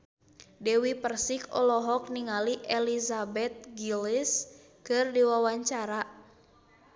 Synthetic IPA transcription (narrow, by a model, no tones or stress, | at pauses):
dɛwipərsikɔ̰lɔɦɔk̚niŋaliʔɛlizabɛt̪̚ɡilis | kɨrdiwawaɲt͡ʃaɾa